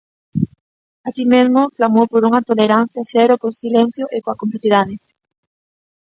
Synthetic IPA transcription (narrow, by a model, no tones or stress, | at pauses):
asimezmoflamopoɾuŋɐt̪oleɾan̟θjaθɛɾokosilen̟θjoʔekoɐkompliθiðaðe